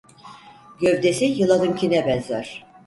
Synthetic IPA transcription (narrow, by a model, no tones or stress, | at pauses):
ɟøvd̪esijɯlˠad̪ɯmcʰinɛbɛnzaɾ̥